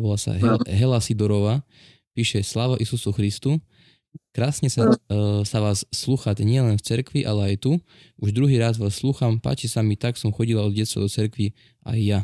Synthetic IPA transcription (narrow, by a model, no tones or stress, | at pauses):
bɔlasa̰ɦɛɦɛlasid̪ɔɾɔʋaː | piːʃɛslaːʋaʔisusuxɾist̪u | kɾaːsɲɛsasaʋaːsːluːxat̪ɲɪɛlɛnft͡sɛɾkʋiʔalɛajt̪u | ʔuʒd̪ɾuɦiːɾaːzʋaːsːluːxampa̰ːt͡ʃisamit̪aksɔmxɔɟilaɔd̪ɟɛt͡sst̪ʋa̰d̪ɔt͡sɛɾkʋi | ʔa̰jːa